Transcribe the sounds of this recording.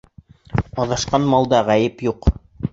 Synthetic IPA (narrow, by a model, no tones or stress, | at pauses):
ɑðɑʃqɑnmɑlˠd̪ɑʁæjɘpjuq